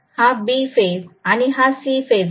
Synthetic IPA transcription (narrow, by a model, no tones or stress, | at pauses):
habifezaɽ̃iɦasifez